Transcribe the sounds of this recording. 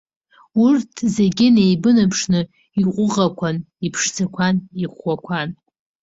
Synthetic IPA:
urtʰzeɡʲɪnejbɨnɨpʰʂnɨ | iqʷʼʊʁakʷʰan | ipʰʂt͡sʰakʷʰaniχʷːakʷʰan

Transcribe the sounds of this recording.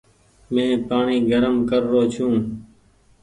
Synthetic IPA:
mẽːpaːɳiːɡəɾəmkəɾːoːt͡ʃʰũː

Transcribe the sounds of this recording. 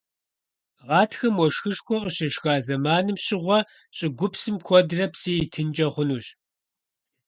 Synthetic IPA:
ʁɑːtʰxɐmwɔʃxɨʂxʷɔqəɕɐʃxaːzɐmaːnɨmɕɪʁʷɔ | ɕʼɪɡʷʊpsɨmkʷʰɔdrɐpsiːjitʰɨnt͡ʃʼɐχʷʊnuːɕ

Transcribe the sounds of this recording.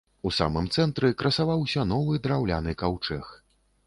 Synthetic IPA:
usa̰mɨmt̪sɛnt̪ɾɨkɾɐsavawsʲɐnɔvɨd̪ɾawlʲa̰nɨkawt͡ʂɛx

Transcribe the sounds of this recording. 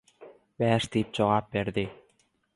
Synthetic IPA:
bæːʃd̪ip̚d͡ʒoʁɑːp̚beɾd̪i

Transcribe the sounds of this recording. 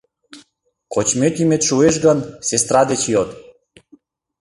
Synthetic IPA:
kot͡ɕmet̪imet̪ʃueʃɡə̆nsest̪ɾɑd̪et͡ɕjot̪

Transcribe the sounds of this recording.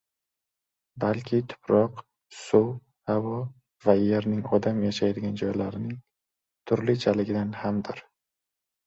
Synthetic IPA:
balkʲʰɪt̪ʰʊ̥pʰɾɒq | sʊw | hawɒ | vajeɾnɪŋɒd̪amjaʃajd̪ɪɡʲand͡ʒɒjlaɾɪnɪŋ | t̪ʰʊɾlɪt͡ʃʰalɪɡʲɪd̪anhamd̪ɪɾ

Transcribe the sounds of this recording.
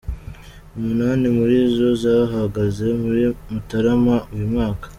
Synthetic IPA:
umunaːnimuɾizo̞zaɦaɡaze̞muɾimutaɾamaujumŋaːkḁ

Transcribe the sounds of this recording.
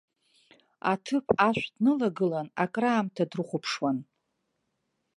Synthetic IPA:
atʰɨpʼʰaʃʷʼdnɨlaɡɨlanakʼraːmtʰadrɨχʷʊpʰʂwan

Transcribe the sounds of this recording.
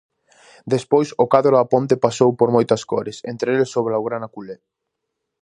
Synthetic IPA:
d̪espojsokaðɾoapont̪epasowpoɾmojt̪ɐskoɾesḛnt̪ɾelesoβɾaoɣɾanakule

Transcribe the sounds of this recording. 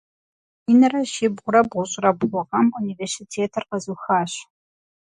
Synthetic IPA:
inɐrɐʃɪbʁʷʊɾɐbʁʷʊɕʼrɐbʁʷʊʁɐmuniversitʰeːtʰɐrqɐzuxaːɕ

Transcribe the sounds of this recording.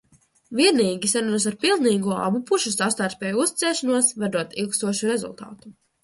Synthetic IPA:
vʲiɛniːɡʲisaɾunas̬aɾpilˠniːɡuɔa̰bupuʃusast̪aɾt̪spʲɛːjuust̪i̥t̪sɛːʃɔnuɔsvad̪uɔt̪ilˠkst̪uɔʃuɾezṵlˠt̪ɑ̰ːt̪u

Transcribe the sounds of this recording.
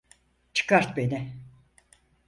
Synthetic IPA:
t͡ʃʰɯ̥kʰaɾt̪benɪ

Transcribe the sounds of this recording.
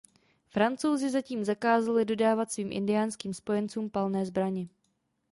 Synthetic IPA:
fɾant͡so̞wzɪzaciːmzakaːzalɪdo̞daːvat̪sviːmʔɪ̰ndɪjaːnskiːmspo̞jɛnt͡suːmpalnɛːzbɾaɲɪ

